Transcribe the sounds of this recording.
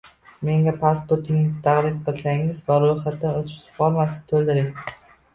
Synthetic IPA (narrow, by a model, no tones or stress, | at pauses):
me̞ŋɡʲapʰaspoɾt̪ʰɪŋɪzt̪ʰaʁɾɪmqʰɨlˠsaŋɪzvaɾojχat̪ːanot̪ʰɪ̥ʃsfoɾmasɪ̥t̪ʰolˠd̪ɪɾɪŋ